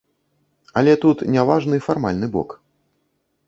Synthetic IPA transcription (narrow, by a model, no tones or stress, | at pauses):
ɐlʲɛt̪ut̪nʲavaʐnɨfarmalʲnɨbɔ̰k